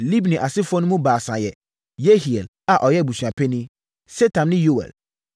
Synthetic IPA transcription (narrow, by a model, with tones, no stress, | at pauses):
li˦bnĩ˨ʔa˨sɪ˦fɔ˦nʊ̃˦mũ˦baː˨sã˨jɛ˨ | je˦hi˨e˨l | a˨ʔɔ˨jɛ˦˨bu˨sɥã˨pʰɛ˦nĩ˦ | sɛ˦tʰã˨n˦nɪ̃˦jo˦wɛ̰˨l